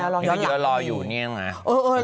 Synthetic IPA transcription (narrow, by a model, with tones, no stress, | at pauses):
lɔː˧˦˥jɯː˧˦lɔː˧juː˨˩ni˧˥˩ŋa˦˧˦ʔɤː˧ʔɤː˧˩